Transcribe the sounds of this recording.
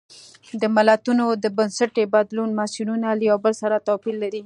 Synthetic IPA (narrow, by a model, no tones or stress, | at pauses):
d̪əmalat̪unod̪əbənsaʈebad̪lunmasinunaləjawbəlsaɾat̪ɑpilːaɾi